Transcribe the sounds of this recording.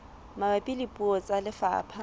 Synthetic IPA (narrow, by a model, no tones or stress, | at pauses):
mabapʼilipʼuɔt͡sʼalɪfa̰ːpʰa